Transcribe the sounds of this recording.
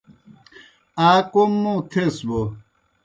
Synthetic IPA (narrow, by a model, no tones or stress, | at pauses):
aːkomːõt̪ʰesbo